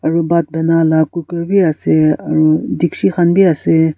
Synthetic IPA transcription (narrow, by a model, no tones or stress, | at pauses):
ɐɾubat̪̚bʱɛnaːlakukəɾbʱiaseɐɾud̪ikʃixanbʱiase